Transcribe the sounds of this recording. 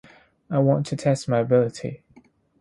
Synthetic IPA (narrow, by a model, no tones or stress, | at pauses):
aɪwɒ̃ntʰətʰɛstmaɪəbɪlɪtʰḭ